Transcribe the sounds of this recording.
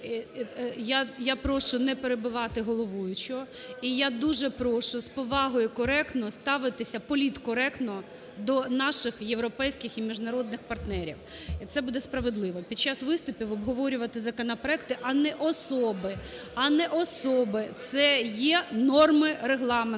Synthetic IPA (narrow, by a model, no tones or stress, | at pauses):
jajapɾɔʃʊnɛpeɾebʊʋɑt̪ɪɦɔlˠɔʋujʊt͡ʃʊ | ijad̪uʒɛpɾɔʃʊspɔʋɑɦɔjʊkɔɾɛkt̪nɔst̪ɑʋɪt̪ɪsʲɐpɔlʲit̪kɔɾɛkt̪nɔ | d̪ɔnɑʃɪxjewɾɔpɛjsʲkɪximʲiʒnɐɾɔd̪nɪxpɐrt̪nɛɾʲḭwt̪sɛbud̪ɛspɾɐʋed̪lˠɪʋɔpʲid̚t͡ʃːasʋɪst̪ʊpʲiʋɔbɦɔʋɔɾʲʊʋɐt̪ɪzɐkɔnɐpɾɔɛk̚t̪ɪʔɐnɛʔɔsɔbɪɐnɛʔɔsɔbɪt̪sɛjɛnɔrmɪreɦlˠɑm